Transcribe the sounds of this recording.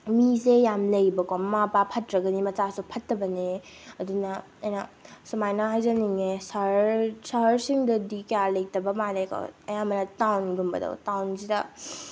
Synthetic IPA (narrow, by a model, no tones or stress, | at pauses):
misejamlɐjbɐkɔmapapʰɐtɾɐɡɐnimɐt͡ʃasupʰɐtːɐbɐneɐdunɐ | ɐjnɐsumajnɐɦajzɐniŋesɐɾsɐɦɐɾsiŋdɐdikjalɐjtɐbɐmalajkʰo̰ɐjamɐnɐtawnɡumbɐ̰dɐ̰wtawnsidɐ